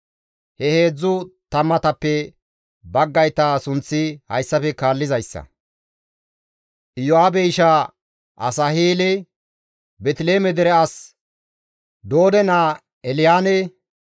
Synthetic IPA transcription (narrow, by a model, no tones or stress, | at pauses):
hɛhe̞ːd͡zːʊt̪ɐmːɐt̪ɐpːɛ | bɐɡːɐjt̪ːaːsʊnt͡sːɪhɐjsːɐfɛkaːlːɪzɐjsːɐ̰ | ʔɪjɔaːbɛjʃa | ʔɐ̰sɐhiːlɛ | bɛt̪ɪle̞ːmɛd̪ɛɾɛɐs | d̪oːd̪ɛnaː | ɛlɪjaːnɛ